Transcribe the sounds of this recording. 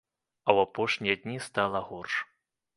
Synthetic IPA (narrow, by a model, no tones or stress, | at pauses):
ɐwapɔʂnʲijɐd̪ʲnʲist̪alˠɐɣɔrʂ